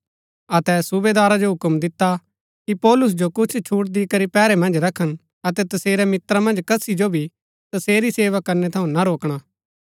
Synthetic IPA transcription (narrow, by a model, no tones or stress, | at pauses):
ɐt̪ɛsʊbed̪aːɾad͡ʒoɦʊkəmd̪ɪt̪ːa | kipɔːlʊs̬d͡ʒokʊt͡ʃʰt͡ʃʰuːʈ̚d̪ikɐɾipɛːɾɛmɐ̃nd͡ʒɾɐkʰːən | ɐt̪ɛt̪ɐseːɾɛmɪt̪ɾamɐ̃nd͡ʒkɐsid͡ʒobʱi | t̪ɐseːɾiseːʋakɐɾnɛt̪ʰɐũnaɾoːkɽ̃aː